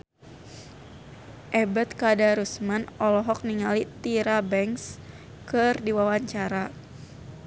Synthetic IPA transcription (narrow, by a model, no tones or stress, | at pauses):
ʔɛbat̪kadaɾusmanɔlɔɦɔk̚niŋalit̪iɾabɛŋs | kɨrdiwawaɲt͡ʃaɾa